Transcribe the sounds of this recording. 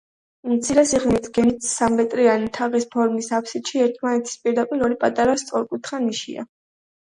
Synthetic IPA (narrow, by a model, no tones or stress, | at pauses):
umt̪sʰiɾɛsiʁnit̪ʰɡ̥ɛnit̪ʰsamvɛt̪ʼɾianit̪ʰaʁispʰɔɾmisapʰsit̪ʃiɛɾt̪ʰmanɛt̪ʰi̥spʼiɾd̪apʼiɾɔɾipʼat̪ʼaɾast̪sʼɔɾkʼut̪ʰχaniʃḭa̰